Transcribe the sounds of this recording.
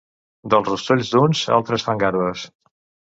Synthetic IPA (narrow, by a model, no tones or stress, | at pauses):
d̪əlˠzrust̪oʎʲzd̪unza̰lˠt̪ɾəsfaŋɡaɾβəs